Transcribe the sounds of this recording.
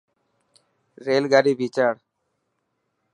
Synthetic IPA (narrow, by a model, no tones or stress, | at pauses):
ɾelɡaɾibit͡ɕaɾ